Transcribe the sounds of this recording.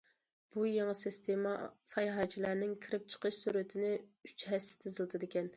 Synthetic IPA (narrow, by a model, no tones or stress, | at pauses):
b̥ujeŋəsɪst̪ʰemɑ̰sɑjɦɑt͡ʃʰilæɾnɪŋkʲʰiɾɪp̚t͡ʃʰə̥qʰəʃsuɾɨt̪ʰɪnɪyt͡ʃɦɛsːɪ̥t̪ʰɪzɪlˠd̪ɨd̪ɪkʲɛn